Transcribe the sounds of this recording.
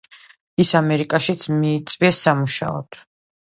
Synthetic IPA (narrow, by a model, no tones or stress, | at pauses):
isamɛɾikʼaʃit̪sʰmiːt̪sʼviɛsːamuʃa̰ɔ̰d̪̥